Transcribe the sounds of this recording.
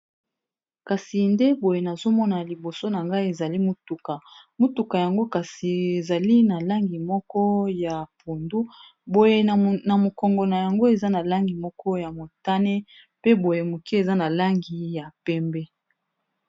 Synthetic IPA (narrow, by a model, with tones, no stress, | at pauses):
ka˨si˨nde˦bo˨je˨na˨zo˦mɔ˦na˨li˨bo˨so˦na˨ŋɡa˦i˦e˨za˨li˦mo˦tu˨ka˨mo˦tu˨ka˨ja˨ŋɡo˦ka˨si˨e˨za˨li˦na˨la˦ŋɡi˨mɔ˦kɔ˦ja˨pu˨ndu˦ | bo˨je˨na˨mo˨kɔ˨ŋɡɔ˨na˨ja˨ŋɡo˦e˨za˦na˨la˦ŋɡi˨mɔ˦kɔ˦ja˨mo˨ta˦ne˦ | pe˦bo˨je˨mo˨ki˦e˨za˦na˨la˦ŋɡi˨ja˨pɛ˦mbɛ˦